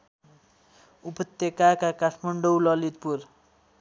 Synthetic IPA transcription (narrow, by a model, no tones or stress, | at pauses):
upʌt̪ːekakakaʈʰmʌɳɖowlʌlit̪̚pur